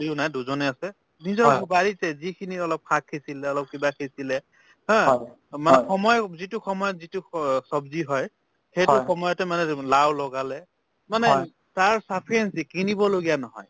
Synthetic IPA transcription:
iʊnajduzɔnɛasɛ | nizɔbaɹitɛzikʰiniɔlɔp̚kʰakʰːisilɛɔlɔp̚kibakʰisilɛ | hɔ̃ | manɛxɔmɔjzitʊxɔmɔjɔtzitusɔbziɦɔj | xejtʊxɔmɔjɔtɛmanɛlawlɔɡalɛ | manɛ | taɹsapʰiɛnsikinibɔloɡijanɔɦɔ̰j

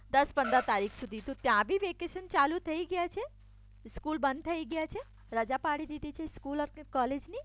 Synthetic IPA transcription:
d̪əspə̃nd̪ət̪aɾikʰsud̪ʱit̪ũt̪jãbʱiʋekeʃənt͡ʃalut̪ʰəiɡəjat͡ʃʰe | skulbənd̪̚t̪ʰəiɡəjat͡ʃʰe | ɾəd͡ʒapaɽid̪id̪it͡ʃʰeskuləɾkkɔled͡ʒni

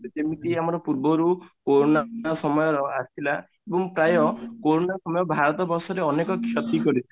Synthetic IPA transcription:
d͡ʒemit̪iamɔɾɔpuɾbɔɾukoɾonaɔsɔmɔjɔɾɔasila | ebɔŋpɾajɔkoɾonasɔmɔjɔbʱaɾɔt̪ɔbɔsɔɾeɔnekɔkʰjɔt̪ikɔɾii

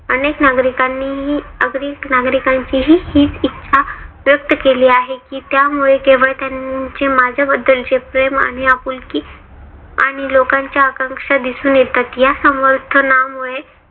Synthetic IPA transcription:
əneknaɡɾikanːiɦiəɡɾiːknaɡɾikaɲt͡ɕiɦiːhiːt͡sitːɕʰaʋjək̚t̪əkeliːaɦekiːt̪jamuɭekeʋəɭet̪jant͡ɕemad͡zʱabəd̪ːəld͡ʑepɾema̰ɽ̃iapuːlki | a̰ɽ̃ilokãɲt͡ɕjaəkəŋkʂad̪isuːnjet̪at̪jasəməɾt̪ʰənamuɭe

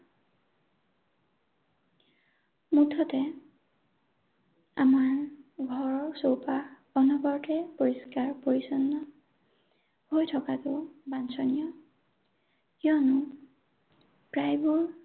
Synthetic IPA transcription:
mutʰɔtɛ | amaɹɡʱɔɹɔɹsowpa | ɔnɔɡɔɹtɛpɔɹiskaɹpoɹisɔnːɔ | hojtʰɔkatʊbansʰɔnijɔ | kjɔnʊ | pɹajbuɹ

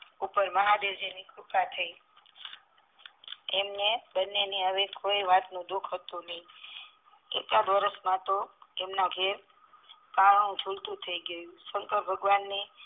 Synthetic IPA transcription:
upəɾməɦab̪ed͡ʒenikupat̪ʰəi | emnebənːeniaʋekʰoiʋat̪nũd̪ukʰɦət̪ũnəɦĩ | ḛkad̪ʋəɾəsmãt̪oemnaɡʱeɾ | pãũd͡ʒʱult̪ũt̪ʰəiɡəjũsəŋkəɾbʱəɡʋanːi

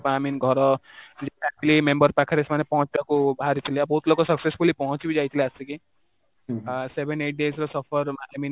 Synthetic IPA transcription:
paminɡʱɔɾɔd͡ʒaak̚t͡ʃlimembʌɾpakʰaɾesmanepɔɦɔ̃t͡ʃibakubʱaɾit̪ʰilebʱɔɦut̪lokɔsʌksespʰulipɔɦɔ̃t͡ʃibid͡ʒajt̪ʰileasiki | sebʱeneʈ̚ɖezɾɔsʌpʰʌɾamin

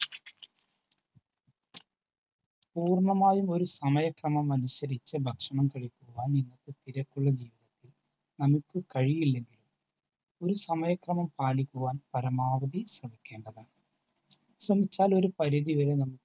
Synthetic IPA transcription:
puːrɳɐmaːjumo̞ɾusɐmɐjɐkrɐmɐmɐnuɕɐɾit͡ɕːɐbʱɐkʂɐɳɐmkɐɻikʲːuɣʋaːninːɐt̪ːet̪iɾɐkːuɭːɐd͡ʑiːʋiðɐt̪ːil | nɐmukʲːɨkɐɻijilːe̞ŋɡilum | o̞ɾusɐmɐjɐkrɐmɐmpaːlikʲːuʋaːnpɐɾɐmaːʋɐðisrɐbɐkʲːe̞ːɳɖɐðɨ | ɕrɐmit͡ɕːaːlo̞ɾupɐɾɐðiʋɐɾenɐmukːɨ

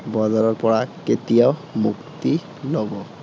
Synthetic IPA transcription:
bɔdaɹɔɹpɔɹaket̪ijaʊmukt̪i | lɔbɔ

